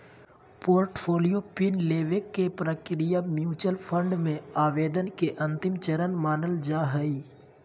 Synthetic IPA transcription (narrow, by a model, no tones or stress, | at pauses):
poːɾʈpʰoːlijopɪnleːʋekːepɾəkɾijamjuːt͡ʃəlpʰə̃ɳɖmẽaːʋeːd̪ənkeʔɐ̃nt̪ɪmt͡ʃəɾənmaːnəld͡ʒaːɦəiː